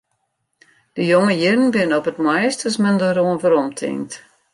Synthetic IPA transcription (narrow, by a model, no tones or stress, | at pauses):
d̥əjoŋəjɪrn̩bɪnɔpətmɛjstəsməndəɾoənvəɾɔmtʰɪ̰ŋt